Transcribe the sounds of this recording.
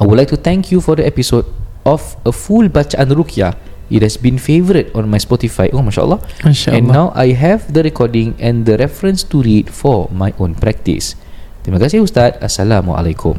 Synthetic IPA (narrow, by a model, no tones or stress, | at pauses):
ajwudlajk̚tut̪ɛ̃ŋkʰjufɔdəɛpisodʔɔf | əfulbat͡ʃaʔãnɹukʰia | it̚hɛsbĩnfevəɾətɔ̃nmajspɔtifajʔokemaʃa̰ʔə̰lːɔaʃaɛ̃nːawʔa̰jɦɛvd̪əɹɛkʰɔdĩŋɛ̃nd̪əɾɛfɹə̃nstuɹidfɔmajʔõnpɹɛk̚tḭs | timəɡasiust̪at̚asalamɔ̰ʔa̰lekʰṵ̃m